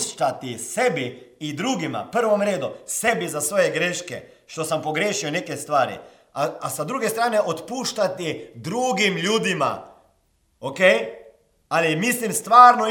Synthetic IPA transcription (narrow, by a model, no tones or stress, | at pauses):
t͡ʃat̪isɛbiːd̪ɾuːɡima̰pəɾʋɔmɾeːd̪ɔsɛbizasʋoːjɛɡɾeːʃkɛ̰ | ʃt̪osampɔɡɾeːʃiwneːkɛst̪ʋaːɾḭ | aasad̪ɾuːɡɛst̪ɾaːnɛʔot̪puːʃt͡ʃat̪id̪ɾuːɡimlʲjuːd̪ima̰ | okej | alimislimst̪ʋaːɾnɔ